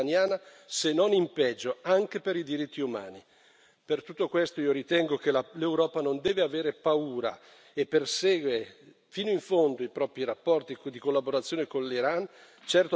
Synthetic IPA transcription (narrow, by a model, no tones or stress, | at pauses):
anjaːna | senːonimpɛd͡ʒːoaŋk̟epeɾid̪iɾit̪ʰːiuma̰ːni | pert̪ut̪ːokwest̪oiːoɾit̪ɛŋɡok̟elalewɾɔːpanond̪ɛːveaveːɾepauːɾa̰ | epːersɛːɡwe | fiːnoiɱfond̪oipɾɔːpɾiɾapːɔrt̪id̪ikolːaboɾat̪sːjoːnekonliɾan | t͡ʃɛrt̪o